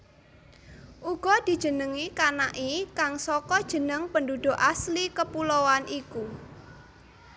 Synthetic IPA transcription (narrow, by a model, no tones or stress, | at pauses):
ʔuɡ̥ɔ̤d̪̥i̤̥ʒ̥ə̤nəŋikanaʔikaŋsɔkɔd̥ʒ̥ə̤nəŋpəndud̪̥ʊ̤ʔaslikəpulowanʔiku